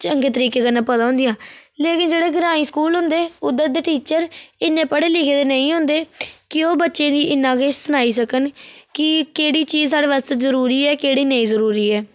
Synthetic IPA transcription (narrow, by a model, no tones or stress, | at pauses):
t͡ʃəŋɡeːt̪əɾiːkeːkənːãːpət̪aːɦʊ̃nd̪ɪjãːleːkɪnd͡ʒeːɽeːɡəɾaːiːskuːlɦʊ̃nd̪eːʊd̪əd̪eːʈiːt͡ʃəɾɪnːẽːpəɽeːlɪkʰeːd̪eːnəĩːɦʊ̃nd̪eːkɪoːbətːʃẽːd̪iːʔɪnːãːkeːt͡ʃsənaːiːsəkənkɪkeːɽiːt͡ʃiːzsaːɽeːʋaːst̪ezəɾuːɾiːɛːkeːɽiːnəĩːzəɾuːɾiːɛː